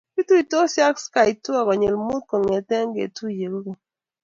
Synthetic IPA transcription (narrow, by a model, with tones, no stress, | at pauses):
ki˦tu˦i˨to˦sja˦kska˨i˨tu˦a˦˨kɔ˨ɲe˨lmu˦t̚ko˨ŋe˨tɛ˦ŋ˦ɡḛ˨tu˦˨je˨lɡo˨